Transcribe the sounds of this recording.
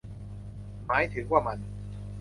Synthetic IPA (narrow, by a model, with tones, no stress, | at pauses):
maː˨˩˦jt̪ʰɯ˨˩˦kwaː˥˩ma˧n